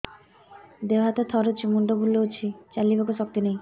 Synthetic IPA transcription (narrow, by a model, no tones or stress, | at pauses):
d̪ewɦat̪ɔt̪ʰɔɾot͡ʃʰimuɳɖɔbʱulːout͡ʃʰit͡ʃalibakusɔk̚t̪ineĩ